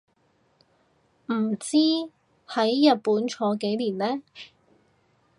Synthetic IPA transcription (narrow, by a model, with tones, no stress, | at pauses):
m̩˨˩t͡siː˥ | hɐ˨˥jjɐ˨t̚puː˨˥nt͡ʃʰɔː˨˧˥ke˨˥jliː˨˩nlɛː˥